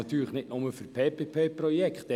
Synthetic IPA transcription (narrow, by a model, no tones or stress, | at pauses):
ɑt̪yːɾləχnɪtnʊməfʏɾpʰeːpeːpʰeːprɔjɛkχt̪ɛ